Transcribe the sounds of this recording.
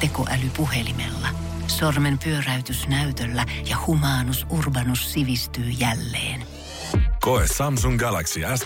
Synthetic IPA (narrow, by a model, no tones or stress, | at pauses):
t̪ekoʔælypuhelimḛlːɑ | sormempyøræyt̪ysnæyt̪ølːæjɑhumɑːnusʔurbɑnusːiʋist̪yːjælːḛːn | koesːɑmsuŋɡɑlæksiæs